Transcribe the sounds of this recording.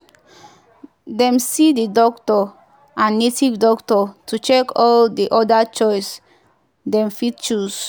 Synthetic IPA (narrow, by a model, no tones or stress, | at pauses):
dɛ̃msididɔktɔ | ʔãnːetivdɔktɔtʰut͡ʃɛkʰɔldiʔɔdat͡ʃɔjs | dɛ̃mfid̚t͡ʃus